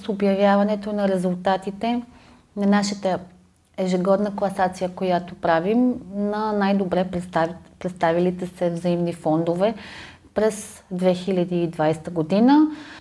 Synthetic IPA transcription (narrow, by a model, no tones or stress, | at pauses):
sobjɐvʲjavɐnɛt̪onɐɾɛzulˠt̪at̪it̪ɛ | nɐnaʃət̪ə | ɛʒɛɡɔd̪nəklˠɐsat̪sijəkojat̪opɾavimnɐnajd̪obɾɛpt̪apɾɛt̪st̪avilit̪ɛsɛvzɐimnifɔnd̪ovɛ | pɾɛs | d̪vɛxilʲɐd̪iːd̪vajst̪əɡod̪inə